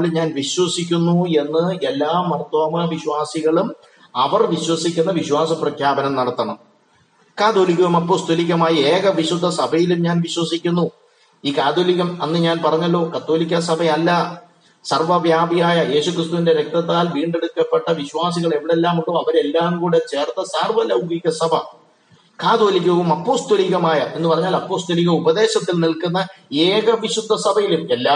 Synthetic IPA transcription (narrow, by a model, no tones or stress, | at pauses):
lɲaːnʋiɕwɐsikʲːunːue̞nːɨelːaːmɐrt̪wɐmɐʋiɕwaːsiɣɐɭum | ɐʋɐrʋiɕwɐsikʲːunːɐʋiɕwaːsɐprɐkʰjaːbɐnɐmnɐɽɐt̪ːɐɳɐm | kaːd̪oːlik̬ʲːɐʋumɐpːoːst̪ʰulikʲːɐmaːjieːɣɐʋiɕud̪ʱːɐsɐbʱɐjilumɲaːnʋiɕwɐsikʲːunːu | iːkaːd̪oːlikɣʲɐmɐnːɨɲaːnpɐrɐɲːɐlːo̞ːkɐt̪ːo̞ːlikʲːɐsɐbʱɐjɐlːɐ | sɐrʋɐbjaːbʱijaːjɐje̞ːɕukrist̪uʋinde̞ɾek̚t̪ɐt̪ːaːlʋiːɳɖe̞ɽukːɐpːe̞ʈːɐʋiɕwaːs̬iɣɐɭeʋiɽe̞lːaːmuɳɖoːɐʋɐɾe̞lːaːmkuːɽet͡ɕe̞ːrt̪ːɐsɐrʋɐlɐwɡiɣɐsɐbʱɐ | kaːd̪oːlikʲːɐɐʋumɐpːo̞ːst̪oliɣɐmaːjɐʔe̞nːɨpɐrɐɲːaːlɐpːo̞ːst̪oliɣɐubɐd̪e̞ːɕɐt̪ːilnilkunːɐeːɣɐʋiɕud̪ʱːɐsɐbʱɐjilume̞lːaː